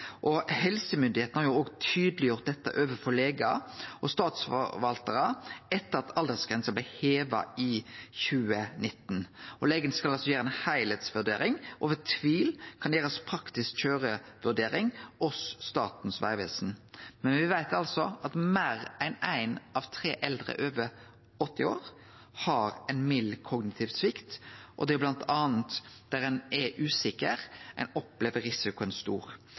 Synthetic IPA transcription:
ʔɔhɛlsəmʏnd̪ɪheːt̪n̩hɑʁjʊoːɡt̪ʰyːd̪lɪjʊʁt̪̚d̪ɛt̪ːə̰ʔøːʋəfɔleːɡɑʔɔst̪ɑːt̪sfɔ̰ʋɑlt̪əʁəɛt̪ːəʁɑt̪ʰɑld̪əsɡ̥ʁɛnsəblæɪheːʋɑ̰ɪçʉːənɪt̪ːn̩ʔɔleːɡənskɑlɑlsɔjæːɾəæɪnhæɪlɛt̪sʋʉɖ̪eːɾɪŋʔɔ̰ʋɛt̪ʰʋiːlkʰɑnjæːɾəspʰɾɑkt̪ɪskc͡çøːʁəʋʉɖ̪eːɾɪŋɔsːt̪ɑːt̪n̩sʋæ̰ɪʋḛːsn̩mɛnʋɪʋæɪt̪ɑlsɔʔɑt̪mæːɾæɪnæɪnɑʋt̪ʰɾeːʔɛld̪ɾə̰ʔøːʋə | ɔt̪ːɪo̰ːɾ | hɑɾæɪnmɪlːkʰɔɡnɪt̪ʰɪːʋsʋɪkt̪ʔɔ̰d̪ɛɛblɑnt̪ʰɑːnt̪d̪̥æɾɛnɛʔʉːsɪkəʁʔɛ̰ɪnɔpleːʋəɾɾɪsɪkʊɛnst̪ṵːɾ

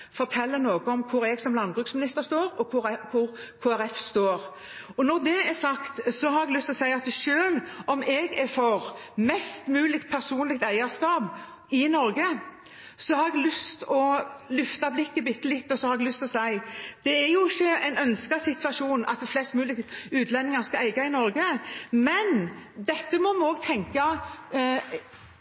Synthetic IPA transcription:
fɔɾt̪ʰɛlːənoːɡəɔmkʰʊɾɛɡsɔmlɑnbɾʉksmɪnɪst̪əɾst̪oːɾɔkʰʊkʰʊɾkʰoːæɾɛfst̪oːɾ | ɔnɔɾd̪ɛɛsɑkt̪sɔhɑɾɛɡlʉst̪ɔsæɪɑt̪ʃøːlɔmɛɡɛfɔɾmɛst̪mʉːlɪkt̪̚pʰæɾsuːnlɪk̚t̪æɪəɾskɑːb | ɪnɔɾɡə | sɔhɑɾɛɡlʏst̪ɔlʉft̪ɑblɪkːəbɪt̪ːəlɪt̪ːɔsɔhɑɾɛɡlʉst̪ɔsæɪd̪̥ɛæɾjʊɪçːəɛɪnœnskɑsɪt̪ʋɑʂuːnʔɑ̰t̪̚d̪flɛst̪mʉːlɪk̪ʉːt̪ʰlɛnːɪŋɑɾskɑæɪɡɑɪnɔɾɡəmɛnd̪ɛt̪ːəmɔmɔɡ̚t̪ʰɛŋkɑ

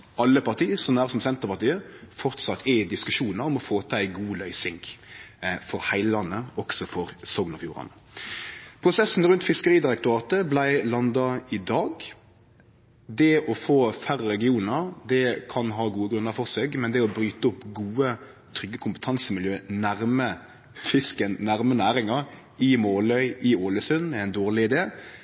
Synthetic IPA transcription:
ʔɑlːəpɑʁt̪ʰiːsɔmæːʁsɔmsɛnt̪əʁpɑʁt̪iːəfɔɾt̪sɑt̪ʰːɪd̪ɪskʉʂuːnəɾɔmɔfoːt̪ʰɑæɪɡuːlœʏsɪŋɡ | fɔɾhæɪləlɑnːəɔksɔfɔɾsɔɡnɑfjuːɾɑ̰nə | pʰɾʊsɛsn̩ɾʉnt̪fɪskəɾiːd̪ɪɾɛk̚t̪ʊɾɑːt̪əblæɪlɑnd̪ɑɪd̪ɑːɡ | d̪ɛɔfoːfæɾəɾɛɡɪuːnəɾd̪ɛkʰɑnɦɑːɡuːəɡɾʉnːəɾfɔɾseːɡmɛnd̪ɛɔbɾyːt̪əʊpːɡuːə | t̪ʰɾʏɡːəkʰʊmpə̥t̪ʰɑnsəmɪljøːnæɾmə | fɪskənnæɾmənæːɾɪŋɑɾ | ɪmoːlœʏʔɪoːləsʉnɛɪnd̪oːɾlɪɪd̪eː

